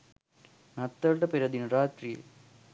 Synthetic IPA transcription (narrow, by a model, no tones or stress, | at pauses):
nɐt̪ːɐɾʈɐpiɾɐd̪inuɾaːt̪rijḛ